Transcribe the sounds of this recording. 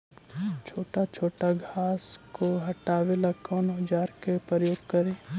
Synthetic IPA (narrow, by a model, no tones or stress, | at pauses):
t͡ʃʰoːʈat͡ʃʰoːʈaɡʱaːskoɦɐʈaːwelakɔːnɦʊd͡ʒaːɾkepɾəjoːɡ̚kɐɾẽː